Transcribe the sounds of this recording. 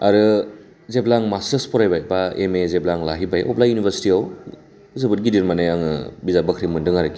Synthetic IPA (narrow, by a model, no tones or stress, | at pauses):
aɾɯ | zeblaŋmastɐspʰɔɾajbajbaemezeblaŋlaɦibajʔɔplajunibʰʱɐɾsi̥tiaw | zɯbɯt̚ɡidiɾmanajaŋɯbizabɐkʰɾimɯndɯŋaɾɯki